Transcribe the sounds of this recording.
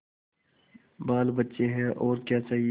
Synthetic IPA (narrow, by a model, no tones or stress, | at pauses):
baːlbətːʃeɦɛ̃ʔɔːɾkjaːt͡ʃaːɦi